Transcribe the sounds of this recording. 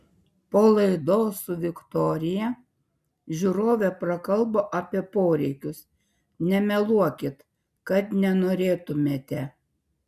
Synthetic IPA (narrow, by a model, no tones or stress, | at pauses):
poːlˠɐɪd̪oːsʊʋʲɪkt̪ɔːɾʲɪjɛ | ʒʲuɾoːʋʲɛpɾɐkɐlˠboːʔɑːpʲiɛpoːɾʲɛɪkʲʊs | nʲɛmʲɛlˠuɔkʲɪt̪ | kɐt̪nʲɛnoːɾʲeːt̪ʊmʲeːt̪ʲɛ